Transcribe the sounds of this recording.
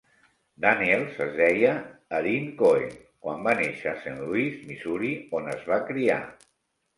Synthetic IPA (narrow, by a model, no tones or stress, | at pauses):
d̪anielˠzəzðɛjəːɾiŋkoj | kwambaneʃəsenluizmizuɾionəzβakɾia̰